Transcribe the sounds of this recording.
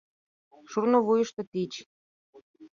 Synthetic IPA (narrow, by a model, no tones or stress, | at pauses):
ʃurnoβujəʃt̪ɤ̆t̪it͡ɕ